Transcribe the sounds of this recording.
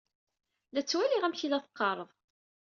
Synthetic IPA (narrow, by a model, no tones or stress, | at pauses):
læt͡sːwæliʁæmçilæθə̥qːɑɾˤəðˤ